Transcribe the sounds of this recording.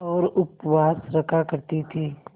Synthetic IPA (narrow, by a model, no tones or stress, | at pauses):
ɔːɾʊpwaːsɾɐkʰakɐɾt̪it̪ʰiː